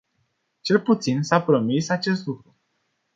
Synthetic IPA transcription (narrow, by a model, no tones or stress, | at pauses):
t͡ʃe̞lput̪sinsapɾo̞misat͡ʃe̞s̬t̪lukɾu